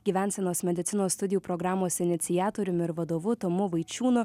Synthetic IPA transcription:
ɡʲiːʋʲɛˑnʲsʲɛnoːsmʲɛd̪ʲɪt̪sʲɪnoːst̪ʊd̪ʲɪjupɾɔɡɾɑːmoːsɪnʲɪt̪sʲɪjæːt̪oːɾʲʊmɪɾʋɐd̪oːʋʊt̪omʊʋɐɪt͡ʃʲuːnʊ

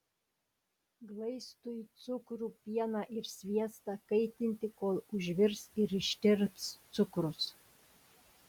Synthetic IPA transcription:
ɡlˠɐɪst̪ʊit̪sʊkɾuːpʲiɛnɑʔɪɾsʲʋʲiɛst̪ɑkɐɪt̪ʲɪnʲt̪ʲɪkoːlˠʊʒʲʋʲɪɾsɪɾɪʃʲt̪ʲɪɾpst̪sʊkɾʊs

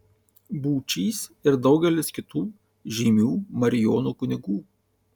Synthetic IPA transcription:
buːt͡ʃʲiːsɪɾd̪ɒʊɡʲɛlʲɪskʲɪt̪uː | ʒʲiːmʲuːmɐɾʲɪjoːnuːkʊnʲɪɡuː

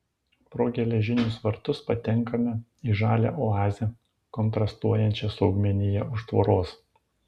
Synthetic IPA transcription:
pɾoːɡʲɛlʲɛʒʲɪnʲʊsʋɐɾt̪ʊspɐt̪ʲɛŋˑkɐmʲɛiːʒɑːlʲɛ̰ˑʔɔɑːzʲɛ | kɔnt̪ɾɐst̪uɔjɛnʲt͡ʃʲɛsɒʊɡmʲɛnʲɪjɛʊʃt̪ʋo̰ːɾoːs

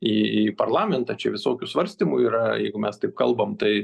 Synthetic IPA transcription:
iipɐrlˠɑːmʲɛnt̪ɐt͡ʃʲɛʋʲɪsoːkʲʊsʋɐɾʲsʲt̪ʲimʊiːɾɐjɛɪɡʊmʲɛst̪ɐɪp̚kɐlˠbɐmt̪ɐɪ

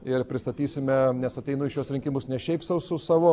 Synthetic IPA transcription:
ɪrpʲɾʲɪst̪ɐt̪ʲiːsʲɪmʲɛnʲɛsɐt̪ʲɛɪnʊɪʃjuɔsɾʲɪŋʲkʲɪmʊsnʲɛʃʲɛɪpsɐʊsʊsɑːʋoː

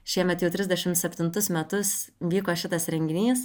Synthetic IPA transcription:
ʃʲiɛmʲɛt̪jɛʊt̪ʲɾʲɪzʲd̪ʲɛʃʲɪmt̪sʲɛpʲt̪ʲɪnt̪ʊsmʲɛt̪ʊsʋʲiːkoːʃʲɪt̪ɐsɾʲɛŋʲɡʲɪnʲiːs

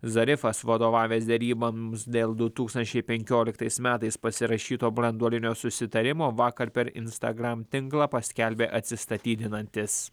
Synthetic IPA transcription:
zɐɾʲɪfɐsʋɐd̪oːʋɑːʋʲeːsd̪ʲɛɾʲiːbɐmsd̪ʲeːlˠd̪ʊt̪uːkst̪ɐnʲt͡ʃʲɛɪpʲɛŋʲkʲoːlʲɪkt̪ɐɪsmʲæːt̪ɐɪspɐsʲɪɾɐʃʲiːt̪oːbɾɐnd̪uɔlʲɪnʲoːsʊsʲɪt̪ɐɾʲɪmoːʋɑːkɐɾpʲɛɾɪ̰nst̪ɐ̰ɡɾɑmt̪ʲɪŋklˠɑpɐsʲkʲɛlʲbʲeːʔɐt̪ʲsʲɪst̪ɐt̪ʲiːd̪ʲɪnɐnʲt̪ʲɪs

